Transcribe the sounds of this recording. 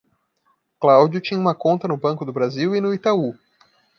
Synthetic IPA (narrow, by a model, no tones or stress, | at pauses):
klawd͡ʒʊt͡ʃĩɲũmɐkõnt̪ɐnʊbɐ̃kʊd̪ʊbɾaziwɪnʊit̪au